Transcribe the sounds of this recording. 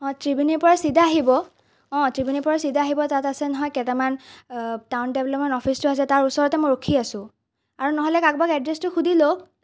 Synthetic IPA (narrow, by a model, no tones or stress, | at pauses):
ɔ̃tɹibinipɔɹasidʱaːɦibɔ | ɔ̃tɹibinipɔɹasidaːɦibɔtatasɛnɔɦɔjkɛtɛman | tawndɛblɔpmɛntɔpʰistʊasɛtaɹusɔɹɔtɛmɔjɹokʰiasʊ̃ | aɹunɔɦɔlɛkak̚bakɛdɹɛstʊxudʱilok